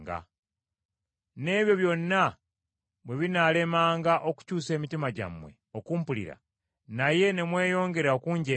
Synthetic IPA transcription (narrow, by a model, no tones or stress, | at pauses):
ɡa̰ | ne̞ːβjo̞βjo̞nːa | βwe̞βinale̞maːŋɡaʔo̞ku̥cuːse̞ːmitimaɟa̰mwe̞̰ | okuːmpulḭɾa̰ | naje̞ne̞mwe̞ːjo̞ːŋɡe̞ɾaokuːɲɟe